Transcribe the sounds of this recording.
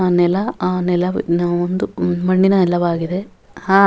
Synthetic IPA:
nɛlɐnɛlɐʋinaːond̪umɐɳɖinɐɛlːɐʋaːɡid̪e̞ | hãː

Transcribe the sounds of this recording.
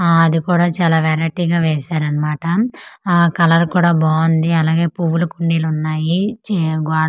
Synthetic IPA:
ɐd̪ikuːɽaːt͡ʃaːlaːʋɛːɾaːʈiːɡaːʋeːsaːɾɐnːɐmaːʈɐ | kɐlɐɾkuːɽaːboːnd̪iɐlaːɡe̞ːpuʋulukuɳɖiːlunːaːjiɡaː

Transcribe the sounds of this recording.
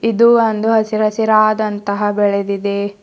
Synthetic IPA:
id̪uɐnd̪uɦɐsiɾɐsiɾaːd̪ɐnt̪ɐɦɐbɛɭed̪id̪e

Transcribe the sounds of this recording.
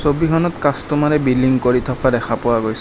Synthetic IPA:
sobikʰɔnɔtkastɔmaɹɛbiliŋkoɹitʰɔpʰadɛxapʊwaɡojs

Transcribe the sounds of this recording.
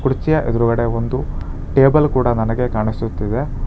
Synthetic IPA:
kuɽt͡ʃijɐʔed̪ɐɾuɡɐɽeond̪u | ʈe̞ːbɐlkuːɽɐnɐnɐɡe̞kaːɳisut̪ːid̪e̞

